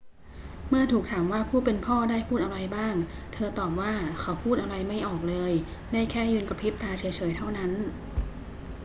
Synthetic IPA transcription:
mɯ˥˩ɐt̪ʰuː˨˩k̚t̪ʰaː˩˦mwaː˥˩pʰuː˥˩pe˧npʰɔː˥˩daː˥˩jpʰuː˥˩t̪ʔa˧ɾa˧jbaː˥˩ŋ | t̪ʰɤː˧t̪ɔː˨˩p̚waː˥˩kʰa˨˦˥wpʰuː˥˩t̪̚ʔa˧wɾa˧jma˥˩jʔɔː˨˩k̚lɤː˧j | daː˥˩jkʰɛː˥˩jɯː˧nka˧pʰi˦˥p̚t̪aː˧t͡ɕʰi˩˦jt͡ɕʰɤː˩˦jt̪ʰa˥˩wna˦˥n

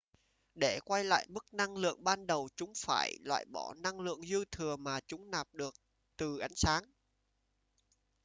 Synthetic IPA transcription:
ɗe˧˩kwa˧jla̰ː˧˨jmɨ˦˥k̚na˧ŋlɨ̰˧˨əŋɓaː˧nɗə˨˩wt͡ɕʊ˨˦ŋ͡mfaː˧˩jlwa̰ː˧˨jɓɔ˧˩na˧ŋlɨ̰˧˨əŋzɨ˧t̪ʰɨ˨˩əmaː˨˩t͡ɕʊ˨˦ŋ͡mnaː˨˩p̚ɗɨ˨˩ək̚ | t̪ɨ˨˩ʔa˨˦jŋ̟saː˨˦ŋ

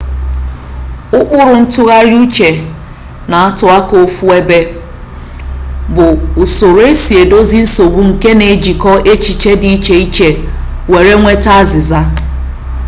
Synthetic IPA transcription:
ʊ˦k͡pʊ˦ɾʊ˨n̩˦tʊ˦ɣa˦ɾju˦t͡ʃe˨ | na˨a˦tʊ˨a˦ko˨fu˦e˦be˦ | bʊ˨ʊ˨so˨ɾe˦si˨e˨do˦zi˦n̩˦so˨ɡ͡bu˦ŋ̩˨ke˦ne˨d͡ʒi˨kɔ˦ʔe˦t͡ʃi˨t͡ʃe˦di˨i˦t͡ʃe˨i˦t͡ʃe˨ | we˨ɾe˦ŋʷe˦ta˦a˦zɪ˨za˦

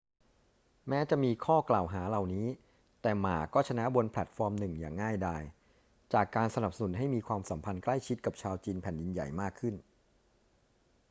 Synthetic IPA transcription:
mɛː˦˥t͡ɕa˨˩ʔmiː˧kʰɔː˥˩klaː˨˩wɦaː˩˦la˨˩wniː˦˥ | t̪ɛː˨˩maː˨˩kɔː˥˩t͡ɕʰa˧na˦˥bo˧npʰlɛ˨˩t̪̚fɔː˧mnɯ˨˩ŋjaː˨˩ŋːaː˥˩jdaː˧j | t͡ɕaː˨˩kːaː˧nsa˧na˨˩p̚sa˧nu˩˦nɦa˥˩jmiː˧kʰwaː˧msa˩˦mpʰa˧nkla˥˩jt͡ɕʰi˦˥t̪̚ka˨˩p̚t͡ɕʰaː˧wt͡ɕiː˧npʰɛ˨˩ndi˧nja̰˨˩jmaː˥˩kʰːɯ˥˩n

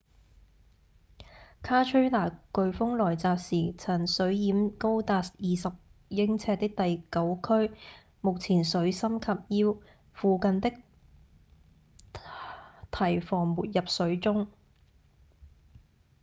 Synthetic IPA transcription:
kʰaː˥t͡ʃʰɵ˥ɥlaː˨˩kɵ˨ɥfʊ˥ŋlɔː˨˩jt͡saː˨p̚siː˨˩t͡sʰɐ˨˩nsɵ˨˥ɥjiː˨˥mko˥wt̪aː˧sjiː˨sɐ˨p̚jɪ˥ŋt͡sʰɛː˧t̚t̪ɪ˥k̚t̪ɐ˨jkɐ˨˥wkʰɵ˥ɥ | mʊ˨k̚t͡sʰiː˨˩nsɵ˨˥ɥsɐ˥mkʰɐ˨p̚jiː˥w | fuː˨kɐ˨nt̪ɪ˥k̚ | t̪ʰɐ˨˩jfɔː˨˩ŋmuː˨t̚jɐ˨p̚sɵ˨˥ɥt͡sʊ˥ŋ

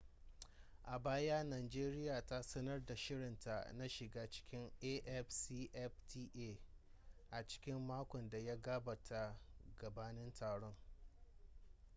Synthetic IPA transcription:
ʔa˨baː˦ja˦naː˨d͡ʒeː˦ɾɪ˦jaː˨ta˦sɐ˦nɐ˦rda˨ʃɪ˦ɽɪ˨nta˨na˦ʃɪ˨ɡaː˦t͡ʃɪ̥˦kʲɪ˦ŋʔe˦ʔɛ˦ɸsiː˦ʔɛ˦ɸtʰiː˦ʔeː˦˨ | ʔa˨t͡ʃɪ̥˦kʲɪ˦mːaː˦kʷɔ˨nda˨ja˦ɡaː˦bɐ˨tʰa˦ɡɐ˨baː˦nɪ˦ntʰaː˨ɽɔ˦ŋ

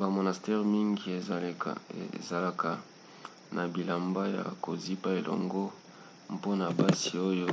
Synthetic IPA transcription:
ba˨mo˨na˨stɛ˦ʁmi˦ŋɡi˨e˨ | za˨la˨ka˨ | nʔa˨bi˨la˨mba˦ja̰˨ko˨zi˦pa˦e˨lʔɔ̰˨ŋɡo˦ | mpo˦na˨ba˦si˨o˦jo˦

